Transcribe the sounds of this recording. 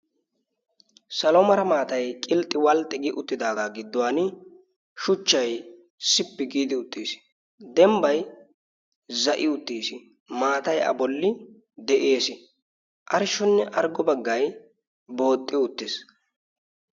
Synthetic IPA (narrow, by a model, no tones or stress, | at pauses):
sɐlɔmɐɾɐmaːt̪ɐjkʼɪlt̪ʼːɪwɐlt̪ʼːɛɡɪʔʊt̪ːɪd̪aːd̪aːɡɪd̪ːʊwaːn | ʃʊt͡ʃːɐj | sɪpːɪɡiːd̪ɪʊt̪ʼːiːsɪ̥ | d̪ɛmbɐj | zɐʔɪʊt̪ːiːsɪ | maːt̪ɐjɐ̰bɔlːɪ | d̪ɛʔe̞ːsɪ | ʔɐɾɪʃːɔnːɛʔɐɾɡɔbɐɡːɐj | bo̞ːt̪ʼːɪʊt̪ːɪs